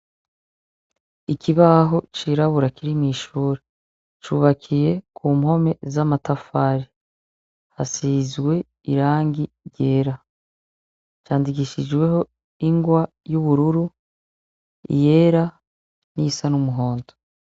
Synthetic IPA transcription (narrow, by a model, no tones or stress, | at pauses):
ikiβaɦo̞t͡ʃiɾaβuɾakiɾimiʃuːɾe | t͡ʃuːβakʰije̞kʰuːmho̞me̞zamatafaɾi | ha̰sizɡwe̞ | ḭɾaːŋɡi | ɾɟe̞ːɾa | t͡ʃaːndik̬iʃid͡ʒwe̞ɦo̞ | iŋɡwa | juβuɾuɾu | ḭje̞ːɾa | nisanumuɦo̞ːnto